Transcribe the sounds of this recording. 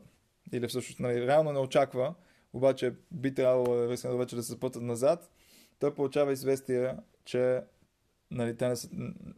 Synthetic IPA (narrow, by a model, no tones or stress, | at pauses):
ilifsɤʃnosnaliɾɛalˠnonɛot͡ʃakvə | obat͡ʃɛbit̪ɾʲabvəlˠoviskənˠvɛt͡ʃɛd̪ɐsɛzpɤt̪ət̪nɐzat̪ː | ɔjpolˠut͡ʃavɐizvɛst̪iɛ | t͡ʃɛ | nɐlit̪ɛnɛs